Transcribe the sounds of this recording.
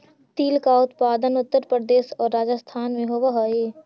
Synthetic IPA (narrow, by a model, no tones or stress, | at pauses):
t̪iːlkaʊt̪paːd̪ənʊt̪ːəɾpɾəd̪eːsɔːɾːaːd͡ʒəst̪ʰaːnmẽɦoʋaɦoeː